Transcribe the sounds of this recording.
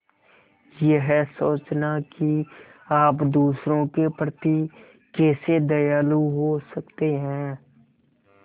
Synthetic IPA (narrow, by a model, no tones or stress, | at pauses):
jeɦsoːt͡ʃnakiaːpd̪uːsɾõkepɾət̪i | kɛːsed̪ɐjaːluɦosəkt̪eɦɛ̃ː